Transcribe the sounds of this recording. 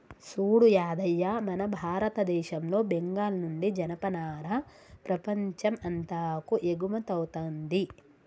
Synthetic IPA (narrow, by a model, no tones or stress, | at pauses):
suːɽujaːd̪ɐjːamɐnɐbʱaːɾɐt̪ɐd̪ɛːʃɐmlo̞ːbeŋɡaːlɐnuɳɖid͡ʒɐnɐpɐnaːɾɐ | pɾɐpɐɲt͡ʃɐmɐnt̪aːkuʔeɡumɐt̪ɐwut̪ɐnd̪i